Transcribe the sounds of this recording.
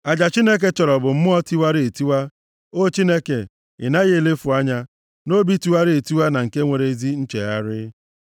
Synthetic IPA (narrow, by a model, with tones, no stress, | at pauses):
a˨d͡ʒa˨t͡ʃi˦ne˦k̬e˦t͡ʃɔ˨ɾɔ˨bʊ˨m̩˦mʊ˦ɔ˦ti˦wa˦ɾe˨ti˦wa˦ | o˦t͡ʃi˦ne˦ke˨ | ɪ̰˨na˦ɣe˦e˦˨le˦fʊ˨a˦ɲa˦ | no˦bi˦ti˦wa˦ɾɪ˦e˨ti˦wa˦na˨ŋ̩˨ke˦ŋʷe˨ɾe˨zi˦n̩˦t͡ʃe˨ɣa˦ɾɪ˦